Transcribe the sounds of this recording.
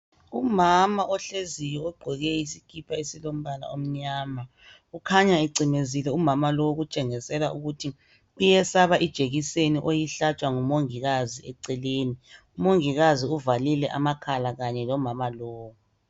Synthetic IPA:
umamaʔɔɬezijɔɔɡ͡ǃʱɔɣɛisikʰipʰaesilom̩βala̰om̩ɲaːma | ukʰaɲaiǀimezilɛumamalowɣut͡ʃʼɛŋisɛlauɣutʰi | ujɛsaβaʔid̥ʒ̥ʱeɣiseniʔojiɬat͡ʃʼwaŋumoŋiɣaziɛǀɛleːniumoŋiɣaziuvalilɛʔa̰makʰalaɣaɲɛlɔmamaloːwu

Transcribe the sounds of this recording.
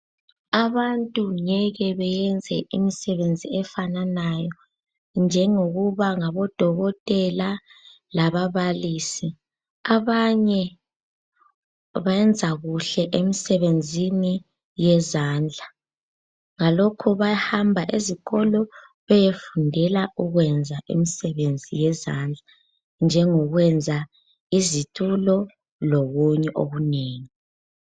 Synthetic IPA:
aβantʼuɲɛɣɛβɛjɛnd͡zʱɛʔimisɛβend͡zʱiɛfananajɔ | nd͡ʒʱɛŋoɣuβaŋaβɔd̥ʱɔɣɔtʼɛla | laβaβaliːsi | aβaɲɛ | βajɛnd͡zʱaɣuɬɛʔemisɛβend͡zʱini | jɛzaːnd͡ɮʱa | ŋalokʰuβajhambʱaʔeziɣɔlɔ | βɛjefundʱɛlauɣwɛnd͡zʱaʔḛmisɛβend͡zʱijɛzaːnd͡ɮʱa | nd͡ʒʱɛŋɔɣwɛnd͡zʱa | izitʼulɔ | lɔɣuɲɛʔo̰ɣuneːŋi

